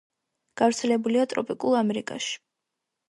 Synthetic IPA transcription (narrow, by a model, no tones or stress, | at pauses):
ɡ̥avɾt̪sʰɛlɛbuliat̪ʼɾɔ̰pʼikʼulˠamɛɾikʼa̰ʃi̥